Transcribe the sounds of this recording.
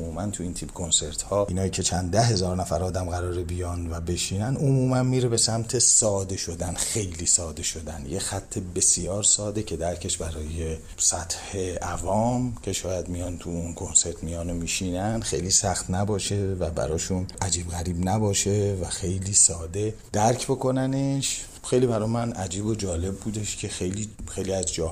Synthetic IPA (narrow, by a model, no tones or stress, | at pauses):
muːmænt̪ʰuiːnt̪ʰibkʰo̞nse̞ɾt̪hɒːʔiːnɒːjiːcʰe̞t͡ʃʰænd̪æɦe̞zɒːɾnæfæɾɒːd̪æmɣæɾɒːɾebijɒːnvæbe̞ʃiːnænomuːmænmiːɾebe̞sæmt̪ʰe̞sɒːd̪e̞ʃo̞d̪ænxe̞jliːsɒːd̪e̞ʃo̞d̪ænjexæt̪ʰːe̞be̞sijɒːɾsɒːd̪e̞cʰe̞d̪æɾcʰe̞ʃbæɾɒːje̞ | sæt̪he̞ævɒːmcʰe̞ʃɒːjæd̪mijɒnt̪ʰuunkʰo̞nse̞ɾt̪ʰmijɒːnomiːʃiːnænxe̞̰jliːsæxt̪næbɒːʃe̞væbæ̰ɾɒːʃunæd͡ʒiːbɣæɾiːbnæbɒːʃevæxe̞jliːsɒːd̪e̞ | d̪æɾcʰbo̞kʰo̞næneʃ | xe̞jliːbæɾɒːjmænæd͡ʒiːbo̞d͡ʒɒːle̞bːuːd̪e̞ʃcʰe̞xe̞jliːxejliæzd͡ʒɒː